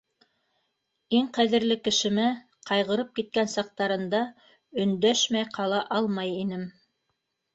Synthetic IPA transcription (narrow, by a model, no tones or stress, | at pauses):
iŋqæðɘ̆ɾlɘkɘ̆ʃɘ̆mæ | qʰɑjʁɤ̆ɾɤp̚kit̪̚kænsɑq̚t̪ɑɾɤ̆nd̪ɑ | ɵ̆nd̪æʃmæjqʰɑlˠɑʔɑlˠmɑjinɘm